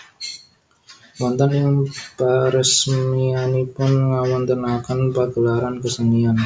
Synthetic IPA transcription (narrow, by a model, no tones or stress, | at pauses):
wɔnt̪aniaŋbaɾəsmianipʊnŋawant̪ənakanpaɡəlaɾankəsəŋian